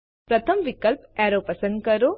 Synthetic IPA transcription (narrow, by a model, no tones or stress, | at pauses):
pɾɐt̪ʰəmʋikəlpɛɾopɐsə̃nd̪kɐɾo